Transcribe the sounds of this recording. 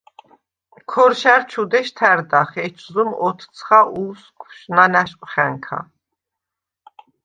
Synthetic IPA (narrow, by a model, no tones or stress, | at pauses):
kʰɔɾʃæɾt͡ʃʰud̪ɛʃt̪ʰæɾd̪aχɛt͡ʃʰzumɔt̪ʰt͡sʰχaʔuskʷʰʃnanæʃqʼχæŋkʰa̰